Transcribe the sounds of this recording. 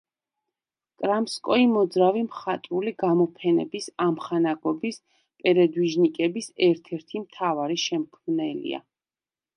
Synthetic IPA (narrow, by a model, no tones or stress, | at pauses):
kʼɾamskʼɔimɔd̪zɾavimχat̪ʼɾuliɡamɔpʰɛnɛ̰bisamχanaɡɔbis | pʼɛɾɛd̪wiʒnikʼɛbisɛɾt̪ʰɛɾt̪ʰimt̪ʰavaɾiʃɛmkʰmnɛlḭa̰